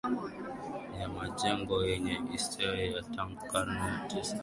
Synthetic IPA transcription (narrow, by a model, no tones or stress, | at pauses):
jamad͡ʒɛŋɡɔjɛɲɛistʰɛɾɔjataŋɡukaɾnɛtɛs